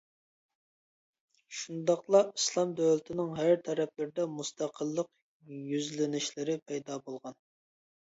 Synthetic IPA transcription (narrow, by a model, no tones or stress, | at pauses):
ʃund̪ɑqlˠɑislˠɑmd̪æwlɪt̪ʰɪnɪŋɦæɾt̪ʰæɾɛplɪɾd̪ɛmust̪ʰɑqʰəlˠːəq | jyzlɪnɪʃlɪɾɪpʰɛjd̪ɑbolˠʁɑn